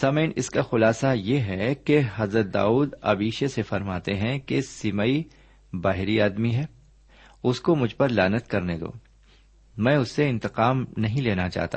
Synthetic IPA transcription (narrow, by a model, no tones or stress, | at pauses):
sɐməənɪ̰skaxʊlaːsajeɦɛkeɦɐzɾət̪̚d̪a̰ːuːd̪ɐ̰biːʃesefɐɾmaːt̪eɦɛ̃kesɪmaːi | baːɦɪɾiaːd̪miɦɛː | ʊskomʊd͡ʒʱpɐɾlaːnət̪kɐɾned̪o̰ː | mɛ̃ːʊsːeɪ̃nt̪ɪqaːmnɐɦĩleːnat͡ʃa̰ːɦt̪aː